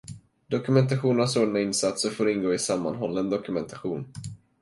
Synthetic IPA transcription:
d̪ɔkɵmɛnt̪̬aɧuːnənsoːɖnaɪnsat̪səɾfoːɾɪnɡoːɪsamːa̰nɦɔlːəɛnd̪ɔkɵmɛnt̪ʰaɧuːn

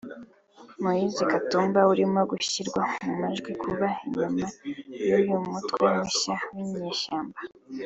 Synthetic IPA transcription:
mujizikatuːmbauɾimoɡuɕiɾɡwamumaʒɡwikʰuβaiɲumajujumutkwemuʃawiɲɲeʃaːmba

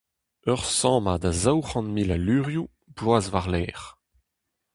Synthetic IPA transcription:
œʁsɑ̃ːmad̪azawχɑ̃nmilalyːʁju | blwaːzvaʁlɛːʁ

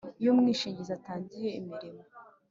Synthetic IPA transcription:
jomŋiːʃiːɲɟizataːɲɟije̞imiɾimo

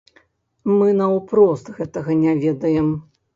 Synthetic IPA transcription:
mɨnɐwpɾɔst̪ɣɛt̪ɐɣɐnʲavʲɛd̪ɐjɛm

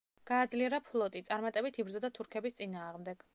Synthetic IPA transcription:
ɡ̥aːd̪zliɛɾapʰlˠɔt̪ʼit̪sʼaɾmat̪ʼɛbit̪ʰibɾzɔd̪at̪ʰuɾkʰɛbist̪sʼinaːʁmd̪ɛɡ̥

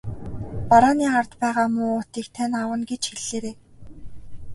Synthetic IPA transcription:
paɾaːniːart̪pæːʁaːmʊːʊːt̪iːkt̪ʰanawə̆nɡet͡ɕxeɮːeːɾeː

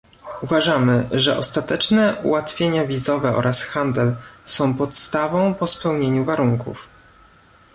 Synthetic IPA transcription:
uvaʐamɘʐɛʔɔst̪at̪ɛt͡ʂnɛṵwat̪fʲjeɲavʲizɔvɛɔ̰ɾʔasxand̪ɛlsɔ̃w̃pɔt̪st̪avɔ̃w̃pɔspɛwɲeɲuvaɾuŋkṵf

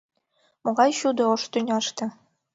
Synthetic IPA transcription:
mŏʁɑjɕud̪ɤ̆oʂt̪ynʲɑʂt̪ɤ̆

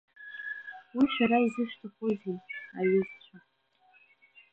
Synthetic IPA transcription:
wiʃaɾaizɨʃtʰɨχʷozinaɥɨzt͡ɕʷʰa

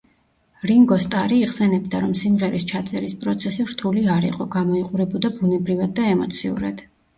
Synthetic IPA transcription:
ɾiŋɡɔst̪ʼaɾiːχsɛnɛbd̪aɾɔmsimʁɛɾist͡ʃʰat̪sʼɛɾispʼɾɔt̪sʰɛsivɾt̪ʰuliaɾḭqʼɔɡamɔiqʼuɾɛbɔd̪abunɛbɾivad̪̚ːaɛmɔt̪sʰiṵɾa̰d̪̥

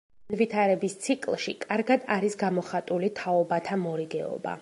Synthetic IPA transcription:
nnvit̪ʰaɾɛbist̪sʰikʼlˠʃikʼaɾɡad̪aɾisɡamɔχat̪ʼulit̪ʰaɔbat̪ʰamɔɾiɡɛɔ̰ba̰

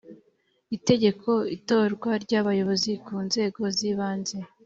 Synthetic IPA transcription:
ite̞ɟe̞kʰo̞ito̞ːɾɡwaɾɟaβajo̞βo̞zikuːnze̞ːɡo̞ziːβaːnze̞

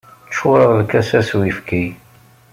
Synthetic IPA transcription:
t͡ʃːʊɾəðˤlkæsæswifki

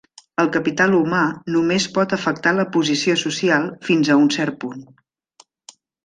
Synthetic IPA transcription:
əlˠkəpit̪alˠumanumespɔt̪əfək̚t̪aləpuzisiosusialˠfinzəunsɛɾt̪̚pun

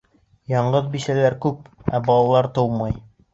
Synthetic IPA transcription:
jɑɴɢɤðbisælæɾkʉp̚æbɑlˠɑlˠɑɾt̪ɤwmɑj

